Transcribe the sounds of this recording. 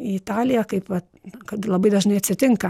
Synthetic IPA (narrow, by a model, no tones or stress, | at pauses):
ɪɪt̪ɑːlʲɪjɛkɐɪpʋɐt̪ | kɐt̪lˠɐbɐɪd̪ɐʒnɐɪɐt̪ʲsʲɪt̪ʲɪŋkɐ